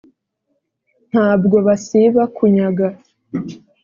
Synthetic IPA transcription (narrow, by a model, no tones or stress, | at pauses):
n̥haːbɡo̞βasiβakuɲaɡa